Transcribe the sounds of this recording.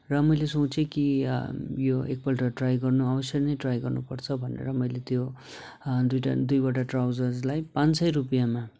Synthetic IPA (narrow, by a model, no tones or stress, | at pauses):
rʌmʌjlesot͡sʰeki | joek̚pʌlʈʌʈrajɡʌrnuabʌsjʌnʌjʈrajɡʌrnupʌrt͡sʰʌbʱʌnḛɾʌmʌjlet̪jo | d̪ujʈa̰d̪ujbaʈaʈrawd͡zʌd͡zlajpãnsʌjɾupijama